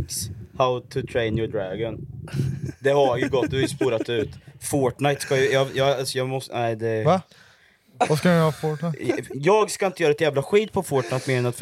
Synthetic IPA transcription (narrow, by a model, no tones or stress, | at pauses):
kshaʊt̪ʰʊt̪ʰɾɛɪnjɔɖɾæɡən | d̪ɛhajɵɡɔt̪̚ːd̪hjəspuːɾat̪ːʉ̟ːt̪foːʈnajt̪skajjɑjɑasɔjɑːmɔsnæɪd̪ɛa | askaɑɾfoʈnajɑːɡskaɪnt̪əjœːɾaɛt̪jæːvlaɧiːt̪̚pʰɔfoːʈnaɪt̪meːɾɛnat̪f